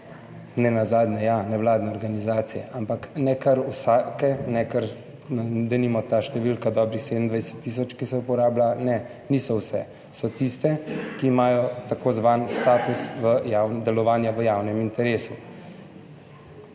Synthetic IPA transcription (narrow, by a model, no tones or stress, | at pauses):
nɛnazaːd̪nɛjanɛwlaːd̪nɛɔɾɡanizaːt̪sijɛ̰ʔampaknɛkaɾusakɛnɛkaɾ | nd̪ɛnimɔt̪aːʃt̪ɛʋilkad̪ɔːbɾixsed̪əmnd̪ʋajsɛ̥t̪ːiːs̬ɔt͡ʃkisɛupɔɾaːblanɛ | niːsɔwsɛ̰ | sɔt̪ist̪ɛkiːmaːjɔt̪akoːzʋaːnst̪aːt̪usʋəjawnd̪ɛlɔʋaːnjaʋəjaːwnɛmint̪ɛɾeːsu